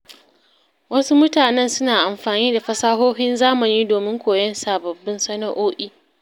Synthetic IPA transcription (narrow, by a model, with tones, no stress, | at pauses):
wɐ˦su˦mʊ˦taː˨nɛ˦nsʊ˦naː˨ʔa˨mɸaː˨niː˦da˨ɸɐ˦saː˦ɦoː˦ɸɪ˦nzaː˦mɐ˨niː˦doː˨mɪ˦ŋkʷoː˨jɐ˦nsa˨bɐ˨bːɪ˦nsɐ˦nɐ˦ʔoː˦ʔiː˦